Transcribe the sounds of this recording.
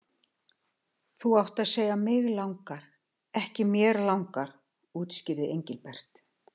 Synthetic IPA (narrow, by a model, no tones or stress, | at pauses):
θuawht̪aðseːjɣamɪɣlawŋkaɾ̥ | ɛhcɪmjɛːɾlawŋkaɾ | uːt̪scɪɾðɪejɲcɪlpɛr̥t̪